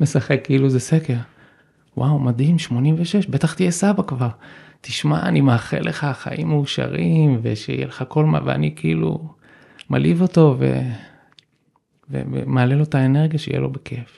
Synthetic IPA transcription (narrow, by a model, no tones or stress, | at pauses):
me̞saχe̞kːeiluzesekeʁ | wawmadimʃmo̞nimveʃe̞ʃbe̞t̪aχt̪ijesabakvaʁt̪iʃma̰animaːχḛlʔeχaχa̰ʔimːeuʃa̰ʁimvḛʃḛijeleχako̞lma̰vea̰nikeḭlṵ | malivo̞to̞ve̞̰ | vḛvḛmealelo̞taene̞ʁɡjaʃeijḛlo̞bekʰe̞f